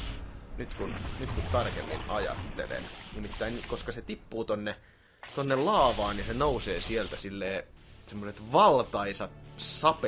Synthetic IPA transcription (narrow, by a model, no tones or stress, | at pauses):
nyt̪kunnyt̪kut̪t̪ɑrkemːḭnɑjɑ̰t̪ːḛlḛnnimit̪ːæinnykoskɑset̪ipːuːt̪onːe | t̪onːellɑːʋɑːnjisenouseːsielt̪æsilːeː | semːoset̪ʋɑlt̪ɑisɑt̪sɑpe